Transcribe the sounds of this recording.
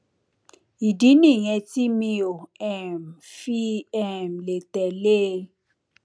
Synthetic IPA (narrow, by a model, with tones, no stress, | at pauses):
i˨di˨˦nĩ˦˨ɲɛ̃˧ti˦mĩ˧o˨ɛ˦mfi˦ɛ˦˨m̩˨le˨tɛ˨le˦˧